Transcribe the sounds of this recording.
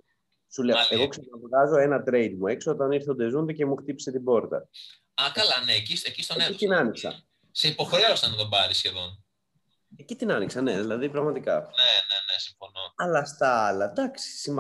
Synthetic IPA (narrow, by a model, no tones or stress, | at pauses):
suleeɣo̞ksɐnɐvɣɐzo̞e̞nɐt̪ɾe̞jd̪mue̞ksoo̞t̪ɐniɾθod̪e̞zund̪ece̞muxt̪ipi̥se̞t̪ibo̞ɾt̪ɐ̰ | ɐkɐlɐneːcisecist̪oneit̪inɐniksɐ̰ | se̞ipo̞xɾe̞ost̪ɐnt̪obɐɾisçe̞ðo̞n | ecit̪inɐniksɐne̞ðilɐðipɾɐɣmɐt̪ikɐ̰nenenesiɱfo̞noɐlɐst̪ɐɐlɐd̪ɐksi̥sim